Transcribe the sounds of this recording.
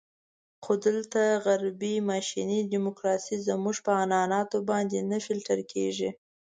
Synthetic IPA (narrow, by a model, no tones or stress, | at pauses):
xod̪əlt̪aɣaɾbimɑʃinidimokɾɑsizəmuʐpəanɑnɑt̪obɑnd̪enafilʈəɾkʰḛʐi